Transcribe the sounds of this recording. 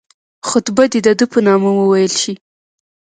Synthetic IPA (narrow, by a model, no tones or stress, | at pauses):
xʊt̪bad̪id̪əd̪əpənɑmawəwajəlʃi